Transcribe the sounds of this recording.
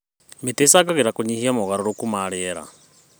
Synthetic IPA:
metesaɡaɣiɾakuɲihiamoɣaɾɔɾokumaɾiɛɾa̰

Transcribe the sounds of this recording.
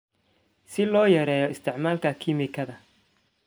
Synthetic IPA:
sɪlɔːjɐɾɛːjɔɪst̪ʰɪʕmaːlkʰɐkʰɪmɪkʰɐðɐ

